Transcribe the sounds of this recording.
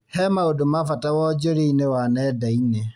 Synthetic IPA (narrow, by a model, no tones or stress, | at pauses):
hɛmaodomafatawɔd͡ʒoɾiinewanɛdaine